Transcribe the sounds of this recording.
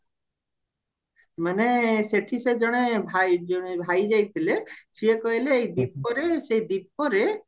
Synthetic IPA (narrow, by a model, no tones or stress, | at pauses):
məneseʈʰised͡ʒɔɽ̃ebʱajd͡ʒoɽebʱajd͡ʒajt̪ʰilesiekɔɦeleːjd̪ipːɔɾesed̪ip̚ːɔɾe